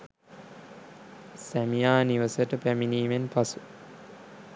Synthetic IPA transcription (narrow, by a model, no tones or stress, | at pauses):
sæmijaːniʋəsəʈəpæminiːmenpasu̥